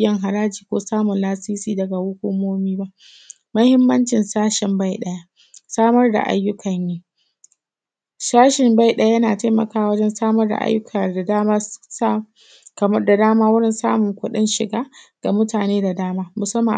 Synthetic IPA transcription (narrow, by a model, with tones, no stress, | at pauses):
jɐ˦ŋɦa˨ɾaː˦d͡ʒiː˨kʷoː˦saː˦mʊ˨nlaː˦siː˦siː˦dɐ˨ɡa˨wʊ˦kʷʊ˦moː˦miː˦ba˦ʔ | mɐ˦hɪ˦mːɐ˦nt͡ʃɪ˨nsaː˦ʃɪ˨mba˦˨jɗɐ˦ja˦ | saː˦mɐ˦rda̰˨ʔa̰˦jːʊ˦kʰɐ˨ɲjiː˦ | saː˦ʃɪ˨mba˦˨jɗɐ˦a˦jɐ˦naː˨ta˦mɐ̰˨kaː˦a˨wɐ˦d͡ʒɛ˦nsaː˦mɐ˦rda̰˨ʔa̰˦jːʊ˦kʰa˨da˨daː˦maː˦sa˦ | kɐ˨mɐ˦rda˨daː˦maː˦wʊ˦ɽɪ˦˨nsa̰ː˦mʊ˨ŋkʷʊ˦ɗɪ˦nʃɪ˨ɡaː˦ɡ̥a˨mʊ˦taː˨neː˦da˨daː˦maː˦mʊ˨sɐ˦mːa̰˨